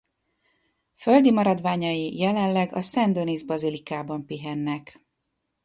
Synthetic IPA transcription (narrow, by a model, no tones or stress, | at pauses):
føld̪imɒɾɒd̪ʋaːɲɒjijɛlɛnlɛɡɒ̰sɛnd̪o̞nizbɒzilikaːbɒmpiɦɛnːɛk